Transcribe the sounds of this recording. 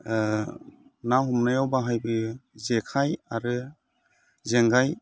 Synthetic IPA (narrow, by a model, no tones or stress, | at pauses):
nahumnajawbaɦajbɯzekʰajaɾɯ | zeŋɡaj